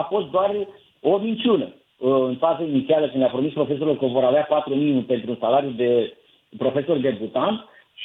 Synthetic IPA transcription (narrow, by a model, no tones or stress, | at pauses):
afo̞st̪̚d̪oar | o̞mint͡ʃʲunə | ɨnfazəinit̪sialəkɨnd̪lʲeapɾo̞mispɾo̞fe̞s̬o̞ɾurkəvo̞ɾaveapat̪ɾumiupe̞nt̪ɾunsalaɾjud̪e̞ | pɾo̞fe̞so̞rd̪e̞but̪ant̪